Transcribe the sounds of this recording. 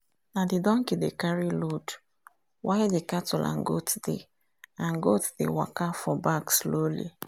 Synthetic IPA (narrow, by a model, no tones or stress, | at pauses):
nadidɔ̃ŋkidekaɹilod | wʔajdekatulʔã̰ŋɡotdḛ | ãŋɡotdḛwa̰kafɔbakslolḭ